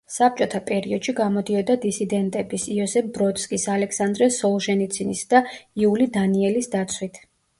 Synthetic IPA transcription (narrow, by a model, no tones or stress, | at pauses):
sap̚t͡ʃʼɔt̪ʰapʼɛɾiɔd̪̥ʃiɡamɔd̪iɔd̪ad̪isid̪ɛnt̪ʼɛbisiɔsɛfbɾɔt̪skʼisalɛksand̪ɾɛsɔlˠʒɛnit̪sʰinisd̪̥aiulid̪aniɛlisd̪at̪sʰwit̪ʰ